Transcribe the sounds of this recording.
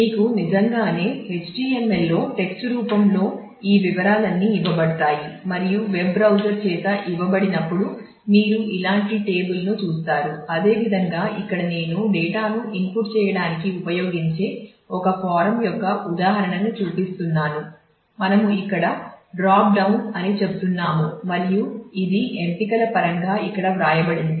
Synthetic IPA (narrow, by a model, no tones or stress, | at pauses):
miːkunid͡ʒɐŋɡaːne̞ːɦet͡ʃʈiːemːelːo̞ːʈe̞ksʈɾuːpɐmlo̞ː | iːʋiʋɐɾaːlɐnːiːiʋɐbɐɽɐt̪aːjimɐɾijuʋe̞bːɾɐwd͡ʒɐɾt͡ʃɛːt̪ɐʔiʋɐbɐɽinɐpːuɽu | miːɾuʔilaːɳʈiʈe̞ːbulnut͡ʃuːst̪aːɾuɐd̪e̞ːʋid̪ʱɐŋɡaːʔikːɐɽɐne̞ːnuɖɛːʈaːnuʔinpuʈt͡ʃɛːjɐɽaːnikiupɐjo̞ːɡiɲt͡ʃe̞ː | ɔkɐpaːɾɐmjɔkːɐʔud̪aːɦɐɾɐɳɐnut͡ʃuːpist̪unːaːnu | mɐnɐmuikːɐɽɐɖɾaːp̚ɖɐwnɐnit͡ʃe̞but̪unːaːmumɐɾijuid̪iʔempikɐlɐpɐɾɐŋɡaːikːɐɽɐʋɾaːjɐbɐɽini